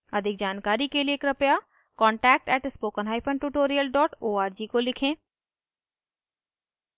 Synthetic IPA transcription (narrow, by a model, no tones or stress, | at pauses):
əd̪ʱɪk̚d͡ʒaːnkaːɾikeliekɾəpjaː | kɔ̃ːɳʈɛːk̚ʈɛːʈspoːkənɦaːipʰəɳʈuːʈoːɾijəlɖɔːʈoːaːɾd͡ʒiːkolɪkʰẽː